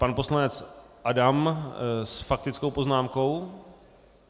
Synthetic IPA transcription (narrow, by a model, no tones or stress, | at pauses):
panpo̞slanɛt͡s | ʔadamsfak̚t̪ɪt͡skowpo̞znaːmko̞w